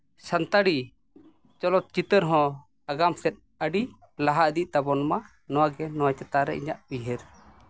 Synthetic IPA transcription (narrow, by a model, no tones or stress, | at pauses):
sant̪aɽi | t͡ʃɔlɔt̪̚t͡ʃit̪əɾɦɔ̃ | aɡamsɛt̪̚ | əɖi | laɦaʔd̪iʔ̚t̪abɔnɔma | nɔwaɡɛnɔwat͡ʃɛt̪aɾɛ̰ʔḭɲa̰ʔbiɦɛɾ